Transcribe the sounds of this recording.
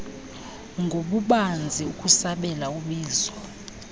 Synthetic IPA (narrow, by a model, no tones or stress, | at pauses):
ŋɡʱoɓuɓand͡zʱiukʼusaɓɛlauɓiːzwɔ